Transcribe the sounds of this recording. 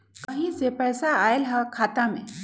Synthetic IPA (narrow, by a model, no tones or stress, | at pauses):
kəɦĩd͡zepɛjsaaelɦakʰaːt̪amḛ̃